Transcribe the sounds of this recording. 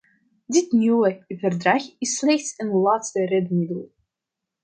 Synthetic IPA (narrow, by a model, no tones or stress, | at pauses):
dɪtnywəvərdraxɪsːlɛxtsənlaːtstərɛdmɪdəlˠ